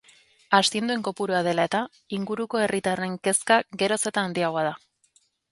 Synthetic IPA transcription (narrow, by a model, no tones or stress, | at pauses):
ast̪ie̞nd̪ue̞ŋko̞puɾuað̞e̞lae̞t̪a | iŋɡuɾuko̞e̞rit̪are̞ŋke̞skaɡe̞ɾo̞se̞t̪aːnd̪iaɣoað̞a